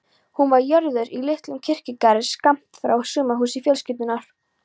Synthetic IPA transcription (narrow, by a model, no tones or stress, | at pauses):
hunvaɾjœɾðʏɾilɪht̪lʏmcʰɪr̥cɪkaɾɪskam̥t̪fɾa̰wsʏːmaɦuːsifjɛːlscɪp̪nɪnaɾ̥